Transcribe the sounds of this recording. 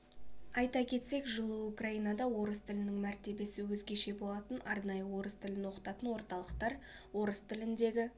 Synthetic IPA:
ɑjt̪ɑkʲʰe̞t̪se̞kʒəlˠəukrɑijnɑd̪ɑwo̞ɾəst̪ɪlɪnɪŋmæɾt̪e̞be̞sɪwɵzɡʲe̞ʃe̞bo̞lˠɑt̪ənɑɾnɑjəwo̞ɾəst̪ʰɪlɪnwo̞qə̥t̪ɑt̪ənwo̞ɾt̪ɑlˠəqt̪ɑɾ | wo̞ɾəst̪ɪlɪnd̪e̞ɡʲɪ

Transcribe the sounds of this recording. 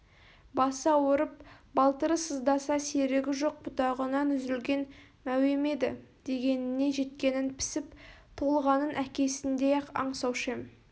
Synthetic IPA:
bɑsɑwoɾəp̚bɑlˠt̪əɾəsəzd̪ɑsɑse̞ɾeɡʲɪʒo̞q̚bʊt̪ɑʁənɑnʏzɪlɡʲe̞n | mæwe̞me̞d̪ɪ̰d̪̥e̞ɡʲe̞nɪne̞ʒe̞t̪̚kʲe̞nɪnpʰɪ̥sɪpt̪ʰolˠʁɑnənʔækʲe̞sɪnd̪e̞ɑ̰ɴsɑwʃem

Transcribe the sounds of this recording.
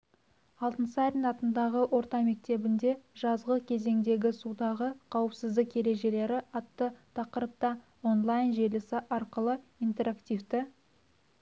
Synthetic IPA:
ɑlˠt̪ənsəɑɾnɑt̪ənd̪ɑʁəwʔo̞ɾt̪ɑme̞k̚t̪e̞bɪnd̪e̞ʒɑzʁəkʲʰe̞ze̞ŋd̪e̞ɡʲɪsud̪ɑʁəqʰɑwəpsɪzd̪ɪkje̞ɾe̞ʒe̞le̞ɾɪʔɑt̪ːət̪ʰɑqəɾəp̚t̪ɑ | o̞nlˠajnʒe̞lɪsɪʔɑɾqəlˠəijnt̪e̞ɾakt̪ijvt̪ɪ

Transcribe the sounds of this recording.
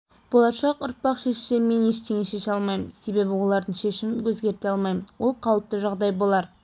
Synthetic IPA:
b̥o̞lˠɑʃɑqʊɾt̪̚pɑqʃe̞ʃʃe̞me̞ne̞ʃt̪ʰe̞ŋʲeʃe̞ʃɑlˠmɑjmənse̞be̞bɪwo̞lˠɑɾd̪əɴʃe̞ʃɪmɪmkʰɵzɡʲe̞ɾt̪e̞ɑlˠmɑjmənwo̞lˠqʰɑwəp̚t̪əʒɑʁd̪ɑjbo̞lˠɑɾ

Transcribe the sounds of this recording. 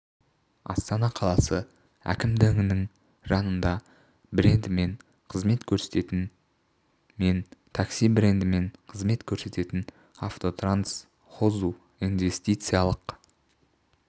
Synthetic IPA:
ɑ̰st̪ɑnɑqʰɑlˠɑsə | æ̰kʲɪmd̪ɵŋɪnɪŋ | ʒɑnənd̪ɑ | bɪɾe̞nd̪ɪme̞n | qʰəzme̞t̪kʲʰɵɾset̪e̞t̪n | me̞nt̪ʰɑksijbɪɾe̞nd̪ɪme̞ɴqʰəzme̞t̪kʲʰɵɾse̞t̪e̞t̪ɪn | aft̪o̞t̪rans | χozu | inve̞st̪ijt̪sɨjalˠəq

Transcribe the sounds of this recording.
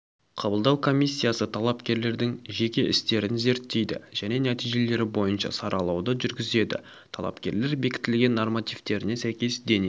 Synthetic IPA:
qʰɑbəlˠd̪ɑwkʰo̞mʲijsʲːijasət̪ʰɑlˠɑpkʲe̞ɾle̞ɾd̪ɪŋʒe̞kʲe̞ʔɪst̪e̞ɾɪnze̞ɾt̪ːe̞jd̪ɪ̰ʒ̥æne̞næt̪ijʒe̞le̞ɾɪbo̞jənʃɑ̰sɑɾʔɑlˠɑwd̪əʒʏɾɡʲɪze̞d̪ɪ̰ | t̪ʰɑlˠɑ̰pkʲe̞ɾle̞ɾbe̞kʲɪ̥t̪ɪlɡʲe̞nːormat̪ijft̪e̞ɾɪne̞sæjkʲe̞sd̪ene

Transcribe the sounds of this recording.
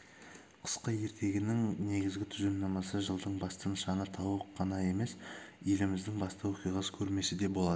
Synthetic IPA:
qʰə̥sqəje̞ɾt̪ʰe̞ɡʲɪnɪŋne̞ɡʲɪzɡʲɪt̪ʰʏzennɑmɑsəʒəlˠd̪əɴbɑst̪ənʃɑnət̪ʰɑwəqʰːɑnɑje̞me̞sje̞lɪmɪzd̪ɪŋbɑst̪ɑwoqijʁɑsə̥kʲʰɵɾme̞sɪd̪e̞bo̞lˠɑd̪ə

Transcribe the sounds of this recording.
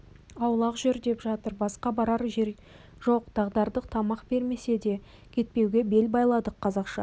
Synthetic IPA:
ɑwlˠɑqʒʏɾd̪e̞pʒɑt̪əɾbɑsqɑbɑɾɑɾʒeɾ | ʒo̞qd̪̥ɑʁd̪ɑɾd̪əqt̪ʰɑmɑqbe̞ɾme̞se̞d̪e̞ | kʲʰe̞t̪̚pe̞wɡʲe̞be̞lbɑjlˠɑd̪əqʰːɑzɑqʃɑ̰

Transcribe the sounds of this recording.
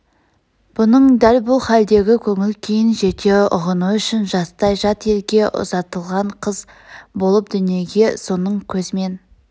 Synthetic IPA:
b̥ʊnəɴd̪ælbʊlˠχæld̪e̞ɡʲɪkʲʰɵŋɪlkʲʰejɪnʒe̞t̪ʰe̞ʊʁənuʏʃɪnʒɑst̪ɑjʒɑt̪e̞lɡʲe̞ʔʊ̰zɑt̪əlˠʁɑɴqʰəz | bo̞lˠəp̚d̪ʏnije̞ɡʲe̞so̞nəɴkʲʰɵzɪme̞n

